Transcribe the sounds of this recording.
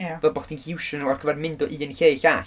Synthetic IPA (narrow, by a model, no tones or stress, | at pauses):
jvɛlˠbɔχd̥inhʰɪwʃənuɔrɡ̥ʰəvɛrmɪndɔʔiːənɬeːjɬaːɬ